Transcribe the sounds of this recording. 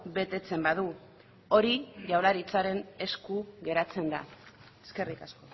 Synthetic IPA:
βe̞t̪e̞t͡se̞mbaðu | o̞ɾiʝawlaɾit͡saɾe̞ne̞skuɣe̞ɾat͡se̞nd̪a̰ | eskerikasko

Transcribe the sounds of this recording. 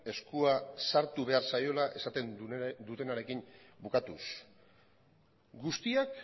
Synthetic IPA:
e̞skuasaɾt̪uβe̞aɾsajo̞laʔe̞sat̪e̞nd̪ut̪e̞naɾe̞kimbukat̪us | ɡust̪iak

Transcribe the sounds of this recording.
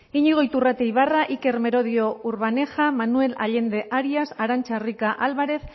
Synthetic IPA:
iɲiɣ̞o̞jt̪urat̪ejβaraʔike̞ɾme̞ɾo̞ðio̞uɾβane̞xamanue̞la̰ʎe̞nd̪e̞ʔaɾiasaɾant͡ʃarikaʔalβaɾe̞θ

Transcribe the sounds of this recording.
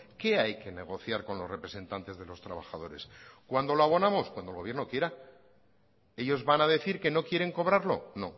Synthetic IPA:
ke̞ajke̞ne̞ɣ̞o̞θjaɾko̞nlo̞zre̞pɾe̞se̞nt̪ant̪e̞zðe̞lo̞st̪ɾaβaxaðo̞ɾe̞skwand̪o̞loaβ̞o̞namo̞skwand̪olɣoβje̞ɾno̞kje̞ɾa | e̞ʎo̞zβanaðe̞θiɾke̞no̞kje̞ɾe̞ŋko̞β̞ɾaɾlo̞̰nõ̞̰

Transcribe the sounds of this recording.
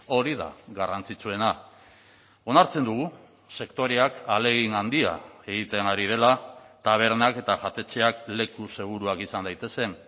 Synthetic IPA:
o̞ɾiða̰ɣarant͡sit͡sue̞na | o̞naɾt͡se̞nd̪uɣ̞u | se̞kt̪o̞ɾeakale̞ɣinand̪ia̰e̞ɣ̞it̪e̞naɾið̞e̞lat̪aβ̞e̞ɾnake̞t̪aʝat̪e̞t͡se̞akle̞kuse̞ɣ̞uɾuakisand̪ajt̪e̞se̞n

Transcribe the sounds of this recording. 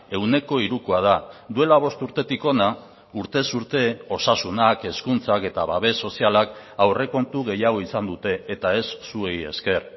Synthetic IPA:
e̞wne̞ko̞iɾukuað̞ad̪ue̞laβ̞o̞st̪uɾt̪e̞t̪iko̞na | uɾt̪e̞suɾt̪e̞o̞sasunake̞skunt͡sake̞t̪aβaβe̞sːo̞sialak | awre̞ko̞nt̪uɣ̞e̞jaɣ̞o̞isand̪ut̪e̞ːt̪ae̞sːue̞je̞̰ske̞r

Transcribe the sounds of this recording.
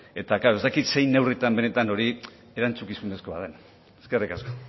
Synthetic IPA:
e̞t̪akaɾo̞est̪akit̪se̞jne̞writ̪ambe̞ne̞t̪ano̞ɾi | e̞ɾant͡sukisune̞sko̞βa̰ðen | eske̞rikasko̞

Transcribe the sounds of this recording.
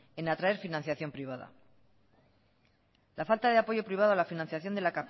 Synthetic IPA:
e̞nat̪ɾaeɾfinãnθjaθjo̞mpɾiβ̞aða̰ | lafalt̪aðe̞apo̞ʝo̞pɾiβ̞aðo̞alafinãn̟θjaθjo̞nd̪elaka

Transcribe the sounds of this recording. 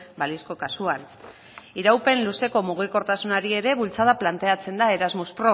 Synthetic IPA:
balisko̞kasuan | iɾawpe̞nluse̞ko̞muɣ̞iko̞ɾt̪asunaɾie̞ɾe̞βult͡saðaplant̪e̞at͡se̞nd̪ae̞ɾazmuspɾo̞

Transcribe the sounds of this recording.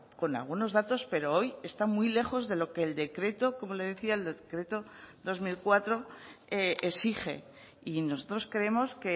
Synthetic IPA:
ko̞na̰lɣuno̞zðat̪o̞spe̞ɾo̞o̞je̞st̪amwijle̞xo̞zðe̞lo̞ke̞ːld̪e̞kɾe̞t̪o̞ko̞mo̞le̞ðe̞θiaeld̪ekɾe̞t̪o̞ðo̞zmilkwat̪ɾo̞eesiχe̞̰ | ino̞so̞t̪ɾo̞skɾeemo̞ske̞

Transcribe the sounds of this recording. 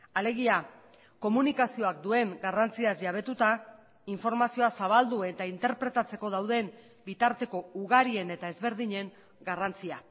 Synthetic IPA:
ale̞ɣ̞ia | ko̞munikasio̞ak̚d̪ue̞ŋɡarant͡siasʝaβ̞e̞t̪ut̪a | iɱfo̞ɾmasio̞asaβ̞ald̪uet̪aint̪e̞ɾpɾe̞t̪at͡se̞ko̞ðawðe̞m | bit̪aɾt̪e̞ko̞uɣaɾie̞ne̞t̪aezβe̞ɾðiɲe̞ŋ | ɡarant͡sia

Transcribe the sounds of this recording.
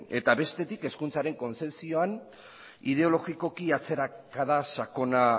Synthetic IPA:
e̞t̪aβe̞st̪e̞t̪ike̞skunt͡saɾe̞ŋko̞nt͡se̞psio̞an | ið̞e̞o̞lo̞ɣiko̞kiat͡se̞ɾakaðasako̞na

